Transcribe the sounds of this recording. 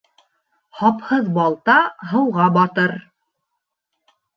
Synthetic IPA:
hɑphɤðbɑlˠt̪ɑɦɤ̆wʁɑbɑt̪ɤɾ

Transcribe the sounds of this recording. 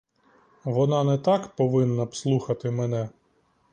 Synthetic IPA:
ʋɔnɑnɛt̪ɑkpɔʋɪnːɐpslˠuxɐt̪ɪmɛnɛ

